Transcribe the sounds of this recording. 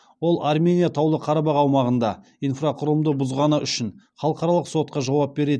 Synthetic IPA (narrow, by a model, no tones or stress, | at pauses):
wo̞lˠʔarmʲe̞nʲijat̪ʰɑwlˠəqʰɑɾɑbɑqɑwmɑʁənd̪ɑ | ijnfraqʰʊɾəmd̪əbʊzʁɑnəʔʏʃɪn | χɑlˠəqɑɾɑlˠəqso̞t̪̚qɑʒɑwɑp̚be̞ɾe̞d̪